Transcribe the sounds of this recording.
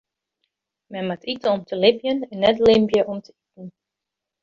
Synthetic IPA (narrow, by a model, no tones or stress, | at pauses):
mɛnmatʰitəɔmtʰəlɪpjənɛnːɛtlɪmbjəʔɔmtʰəitn̩